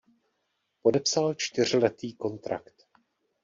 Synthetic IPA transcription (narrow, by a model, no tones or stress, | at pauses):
po̞dɛpsalt͡ʃt̪ɪr̝lɛt̪iːko̞nt̪ɾa̰kt̪